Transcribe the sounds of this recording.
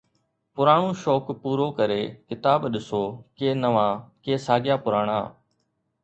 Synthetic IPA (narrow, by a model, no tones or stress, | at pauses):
pʊɾaːɳ̃õːʃoːkpuːɾoːkəɾeːkɪt̪aːbɗɪsoːkeːnəʋãːkeːsaːɡɪjaːpʊɾaːɽ̃a̰ː